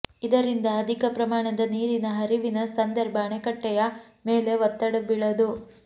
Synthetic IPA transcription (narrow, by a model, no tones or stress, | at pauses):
id̪ɐɾind̪ɐːd̪ʱikɐpɾɐmaːɳɐd̪ɐniːɾinɐɦɐɾiʋinɐsɐnd̪ɐɾbʱɐːɳɛkɐʈːɛjɐ | meːle̞ʋɐt̪ːɐɽɐbiɭɐd̪u